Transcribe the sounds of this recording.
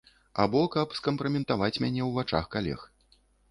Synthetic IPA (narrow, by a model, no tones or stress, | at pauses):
a̰bɔkɐpskɐmpɾɐmʲɛnt̪avat͡sʲmʲanʲɛwvat͡ʂa̰xkalʲɛ̰x